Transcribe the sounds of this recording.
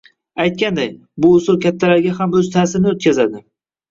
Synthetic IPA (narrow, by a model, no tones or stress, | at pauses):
ajt̪̚kʲand̪aj | bʊːsʊɾkʲʰat̪ʰːalaɾɡʲaɦamɵzt̪ʰaːsɪɾnɪot̪̚kʲazad̪ɪ